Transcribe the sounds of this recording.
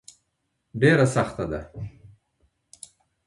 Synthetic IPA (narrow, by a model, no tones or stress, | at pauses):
ɖeɾasaxt̪ad̪a